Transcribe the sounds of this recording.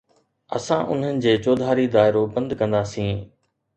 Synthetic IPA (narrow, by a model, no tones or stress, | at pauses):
ɐ̰sãʔʊ̰n̤ənɪ̆d͡ʑeːt͡ɕoːd̪ʱaːɾid̪aːɪɾobɐ̃nd̪kɐ̃nd̪aːsĩː